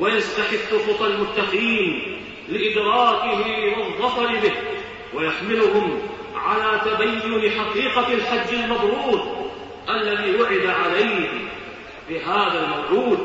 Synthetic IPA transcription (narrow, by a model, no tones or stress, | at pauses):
wajast̪aħɪbːʊxʊt̪ˤalmʊt̪ːaqiːn | lɪʔɪd̪ɾɑːkɪhɪwɑðˤːɑfˤɑɾɪbɪh | wajaħmɪlʊɦʊm | ʕalaːt̪abajːʊnħaqiːqalħad͡ʒːalmɑb̪ˤɾuːt̪̚ˤ | ʔalːaðiːwʊʕɪd̪aʕalajh | bɪɦaːðalmawʕuːd̪